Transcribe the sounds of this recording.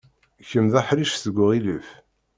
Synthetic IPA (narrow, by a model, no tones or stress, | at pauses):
çəmðæħɾiʃθəɡʷːəʁiləf